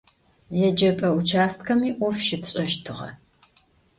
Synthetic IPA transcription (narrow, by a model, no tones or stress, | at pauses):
jɛd͡ʒɐpʼɐut͡ʃʰaːstkʰɐmiːʔʷɔfʃɪtʰɕʼɐʃtʰɨʁɐ̰